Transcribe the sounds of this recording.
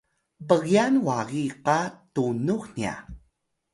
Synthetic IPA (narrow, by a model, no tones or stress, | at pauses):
bəɣianwaɣiqatunuxnia̰